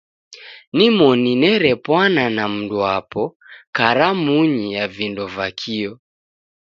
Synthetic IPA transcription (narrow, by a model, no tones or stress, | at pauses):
nimɔninɛɾɛpwananam̩duapɔkaɾamuɲijavindɔvakʰiɔ